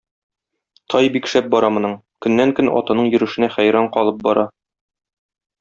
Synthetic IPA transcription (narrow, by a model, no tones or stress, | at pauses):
t̪ʰɒjbikʃæp̚bɒɾɑmŏnɤɴ | kɵ̆nːæŋkɵnɒ̰t̪ɤ̆nɤɴjɵ̆ɾɘ̆ʃɘ̆næχæjɾɑɴqɒlˠɤp̚bɒɾɑ